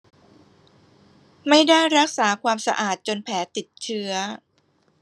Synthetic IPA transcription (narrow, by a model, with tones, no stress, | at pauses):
ma˥˩jda˥˩jɾa˦˥k̚saː˩˦kʰwaː˧msa̰˧ʔaː˨˩t̪̚t͡ɕo˧npʰɛː˩˦t̪i˨˩t̪̚t͡ɕʰɯ˦˥ɐ